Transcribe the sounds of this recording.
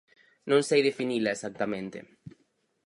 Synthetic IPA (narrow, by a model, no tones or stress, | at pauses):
nõnsejðefinilaesak̚t̪amẽnt̪ḛ